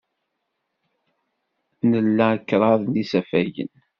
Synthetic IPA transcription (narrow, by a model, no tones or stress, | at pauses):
nəlːæəkːɾˤɑðˤnisæfæjə̰n